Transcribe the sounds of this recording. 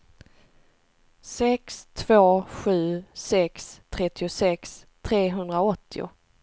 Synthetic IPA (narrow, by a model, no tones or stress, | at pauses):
sɛkst̪ʰvoːɧʉ̟ːsɛkst̪ʰɾɛt̪ːɪʊsɛkst̪ʰɾeːɦɵnd̪ɾaɔt̪ʰːɪʊ̰